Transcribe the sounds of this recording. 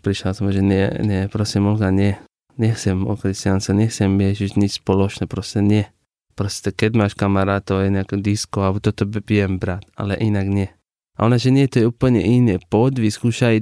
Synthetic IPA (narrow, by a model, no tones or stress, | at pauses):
pɾiʃasmoʒenɛnɛpɾosimolɡanɛ | nexsemo̰kɾist̪janst̪anʲexsemeʃiʃnispoloʃnepɾost̪enjɛ | pɾost̪i̥t̪eked̪maʃkamaɾat̪ojenekod̪iskoabut̪ot̪obiembɾat̪a̰lḛʔinakne | a̰onaʒeniet̪ojeupəlɲḛʔinepod̪ʋiskuʃai